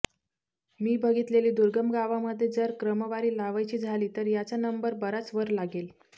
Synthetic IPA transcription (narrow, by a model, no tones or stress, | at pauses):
miːbʱəɡit̪leliːd̪uɾɡəmɡaʋaməd̪ʱːjed͡zəɾkɾəməʋaɾiːlaʋajt͡ɕiːd͡zʱaliːt̪əɾjat͡sanəmbəɾbəɾat͡sʋəɾlaɡel